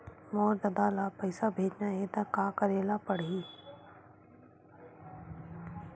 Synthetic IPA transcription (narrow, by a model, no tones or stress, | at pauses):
moːɾd̪ɐd̪aːlapəɪsabʱeːd͡ʒnaɦet̪akaːkəɾeːlapəɽɦiː